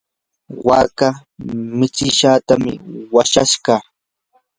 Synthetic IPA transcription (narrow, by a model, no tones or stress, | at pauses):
wa̰ːkamɪt͡ʃɪʃaːt̪amɪ̰waʃaʃɢɑː